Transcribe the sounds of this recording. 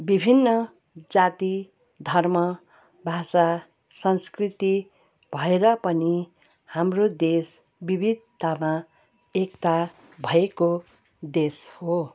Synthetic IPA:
bibʱinːʌ | d͡zat̪i | d̪ʱʌrmʌ | bʱasa | sʌnskrit̪i | b̥ʱʌeɾʌpʌni | hamrod̪es | bibʱid̪t̪ama | ekt̪a | bʱʌeko | d̪esho

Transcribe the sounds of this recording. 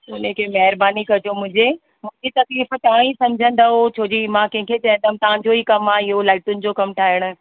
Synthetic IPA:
ʊnəkʰemɐɦɪɾbaːnikɐd͡ʑomʊ̃ɦɪ̃ɲd͡ʑe | mʊ̃ɦɪ̃ɲd͡ʑit̪ɐkliːft̪aːãĩsɐ̃md͡ʑʱə̃nd̪aɦot͡ɕʰoːd͡ʑimãkɛ̃ɦɪ̃kʰet͡ɕɐɦə̃nd̪əmt̪ɐʋ̤ãɲd͡ʑoɦiːkɐmaːɪɦolaːɪʈʊnɪ̆d͡ʑokɐmʈʰaːɪɽ̃ʊ̆

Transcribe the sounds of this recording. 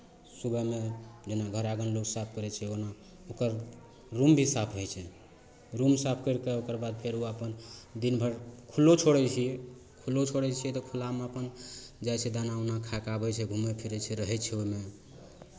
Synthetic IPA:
subɛmed͡ʒenaɡʱəɾaɡənloksapʰkəɾɛt͡ʃʰɛona | okəɾ | ɾumbʱisapʰɦojt͡ʃʰɛ | ɾumsapʰkəɾkeokəɾbad̪̚pʰeɾuəpənd̪inbʱəɾkʰulːot͡ʃʰoɽɛt͡ʃʰiɛ | kʰulːot͡ʃʰoɽɛt͡ʃʰiɛt̪ɔkʰulameəpənd͡ʒajt͡ʃʰɛd̪anaonakʰakabɛt͡ʃʰɛɡʱumepʰiɾɛt͡ʃʰɛɾəɦɛt͡ʃʰɛoime

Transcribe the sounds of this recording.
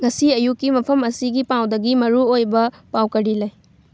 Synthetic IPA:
ŋɐsiɐjukːimɐpʰɐmɐsiɡipawdɐɡimɐɾuojbɐpawkɐɾilɐj

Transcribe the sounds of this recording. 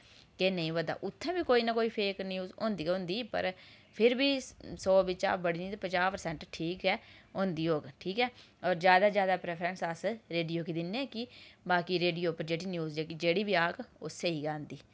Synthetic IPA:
keːnəĩːʋəd̪a̰ːʔʊt̪ʰːɛ̃ːbiːkoːiːnaːkoːiːpʰeːknjuːzõ̰ːnd̪iːõːnd̪iːpə̰ɾ | pʰɪɾbiːsɔːbɪt͡ʃa̰ːbəɽiːniːt̪ːpət͡ʃaːpəɾsɛ̃ɳʈʈʰiːkɦɛːõːnd̪iːɦoːɡʈʰiːkɛːɔːɾzjaːd̪aːzjaːd̪aːpɾɛːpʰɾənsəsɾeːɖijoːkiːd̪ɪnẽːkɪbaːkiːɾeːɖijoːpəɾd͡ʒeːɽiːnjuːzd͡ʒeːkɪd͡ʒeːɽiːbiːaːkoseiːɡãːnd̪iː

